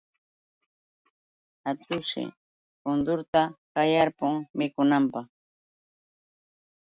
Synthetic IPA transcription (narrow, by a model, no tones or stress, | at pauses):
at̪ʊʃɪ̰ | kʊnd̪ʊɾt̪akajaɾpʊŋmɪkʊnampɑχ